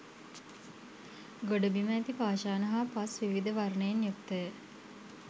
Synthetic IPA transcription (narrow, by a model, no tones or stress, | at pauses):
ɡoɖəbiməːt̪ipaːʃaːnəɦapasʋiʋid̪əʋarnəjenjokt̪əjə